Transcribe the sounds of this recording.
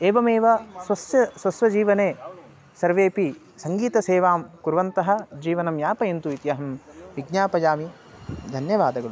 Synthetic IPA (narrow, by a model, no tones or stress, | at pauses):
eːʋɐmeːʋɐswɐsjɐswɐsʋɐd͡ʒiːʋɐneː | sɐɾʋeːpi | sɐŋɡiːt̪ɐseːʋaːmkuɾʋɐnt̪ɐɦɐ̆d͡ʒiːʋɐnɐmjaːpɐjɐnt̪uit̪jɐɦɐmʋiɡ̚ɲaːpɐd͡ʒaːmi | d̪ʱɐnjɐʋaːd̪ɐɡɐɭu